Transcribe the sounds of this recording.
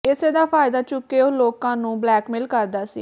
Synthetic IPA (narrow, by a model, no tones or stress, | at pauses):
ɪseːd̪aːpʰaːɪd̪aːt͡ʃʊkːeːoloːkãːnũːblɛːkmɪlkəɾd̪aːsḭː